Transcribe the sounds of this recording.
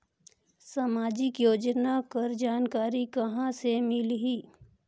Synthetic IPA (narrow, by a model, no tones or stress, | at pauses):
sɐmaːd͡ʒɪkjoːd͡ʒnakɐɾd͡ʒaːnkaːɾikɐɦãsemɪlɦiː